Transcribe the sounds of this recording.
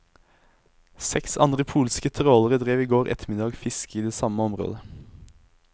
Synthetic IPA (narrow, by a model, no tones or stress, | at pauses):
sɛksɑnʁəpʰuːlskət̪ʰʁoːləʁəd̪ʁeːʋiːɡoːʁʔɛ̰t̪ʰəmɪd̪ɑːɡfɪskəiːd̪eːsɑməɔmʁo̰ːd̪ə